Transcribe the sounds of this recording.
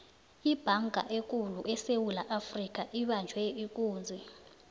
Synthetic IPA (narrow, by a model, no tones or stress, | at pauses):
ib̥ʱaŋɡʱa̰ʔek̬ʼuluʔɛsewulaʔafrik̬ʼaʔiɓand͡ʒʱwɛik̬ʼuːnd͡zʱɛ